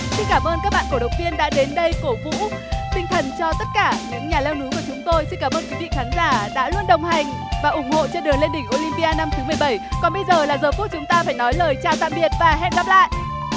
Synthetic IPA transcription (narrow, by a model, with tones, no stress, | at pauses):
si˧nkaː˧˩mʔəː˧nkaː˦˥k̚ɓa̰ː˧˨nku˧˩əɗə˨˩w̚ŋ͡mt̪i˧ənɗa̰ː˧˥ɗe˨˦nɗə˧jko˧˩vṵ˧˥t̪ï˧ŋ̟t̪ʰə˨˩nt͡ɕɔ˧t̪ə˦˥t̚kaː˧˩ɲɨ̰˧˥ŋɲaː˨˩lɛ˧wnu˨˦ku˧˩ət͡ɕʊ˨˦ŋ͡mt̪o˧jsi˧nkaː˧˩ʔəː˧nkwi˨˦vḭ˧˨xaː˨˦nzaː˧˩ɗa̰ː˧˥lwu˧ənɗə˨˩wŋ͡mɦa˨˩jŋ | vaː˨˩ʔʊ˧˩ŋ͡mho̰˧˨t͡ɕe˧nɗɨ˨˩əŋle˧nɗï˧˩ŋ̟ʔo˧li˧mpi˧ʔaː˧na˧mt̪ʰɨ˨˦mɨ˨˩əjɓə˧˩jkɔ˨˩nɓə˧jzəː˨˩laː˨˩zəː˨˩ku˦˥t͡ɕʊ˨˦ŋ͡mt̪aː˧faː˧˩jnɔ˨˦jləː˨˩jt͡ɕaː˧˩wt̪a̰ː˧˨mɓi˨˩ət̚vaː˨˩ɦɛ̰˧˨mɣa˦˥p̚la̰ː˧˨jʔ